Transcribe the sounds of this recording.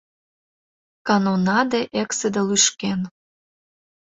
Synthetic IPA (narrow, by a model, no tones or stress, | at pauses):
kɑnonɑd̪eʔeksed̪elyʃken